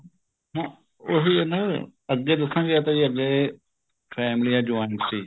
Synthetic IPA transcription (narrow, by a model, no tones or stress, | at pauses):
ɦã | oɦiːnəəɡeːd̪əsãːɡeaːt̪ãːiːəɡleː | fʰɛːmɪliːãːd͡ʒoːɪnsiː